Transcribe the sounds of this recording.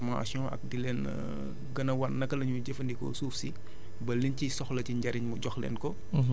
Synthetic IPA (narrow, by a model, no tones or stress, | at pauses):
ma̰sjɔ̃ːʔɐ̰k̚dilɛːn | ɡɐnɐwɐnnːɐkːɐlɐɲuɟɛfɐndikɔ̰suːfsi | bɐlːincisɔxlɐciɲɟɐɾiɲmuɟɔxlɛ̰ːnkɔ